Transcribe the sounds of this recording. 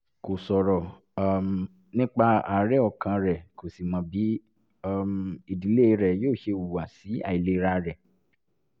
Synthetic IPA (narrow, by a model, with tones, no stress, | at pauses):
ko˨sɔ˨ɾɔ˨ | m | nĩ˦k͡pa˧a˨ɾɛ˦ɔ˧˨kã˧ɾɛ˨ko˨si˨mã˨˦bi˨˦ | a˦˧mi˨di˨˦le˦i˧˦ɾɛ˨joː˦˨ʃe˧wu˨wa˨si˨˦a̰˦˨i˨le˧˦ɾa˦ɾɛ˨